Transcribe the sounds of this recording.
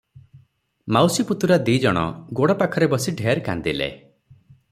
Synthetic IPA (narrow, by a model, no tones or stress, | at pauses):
mawsiput̪uɾad̪id͡ʒɔɽ̃ɔ̰ɡoɽɔpakʰɔɾebɔsiɖʱeaɾka̰nd̪ilḛ